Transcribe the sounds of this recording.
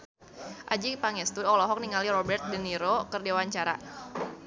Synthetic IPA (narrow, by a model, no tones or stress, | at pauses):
ʔad͡ʒipaŋɛst̪uɔlɔɦɔk̚niŋaliɾɔbɛrt̪̚dəniɾokərdewaɲt͡ʃaɾa̰